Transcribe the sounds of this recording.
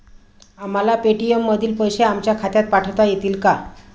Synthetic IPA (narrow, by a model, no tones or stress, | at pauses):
amalapeʈijemːəd̪ʱiːlpəjɕeamt͡ɕjakʰat̪jat̪̚paʈʰət̪ajet̪iːlka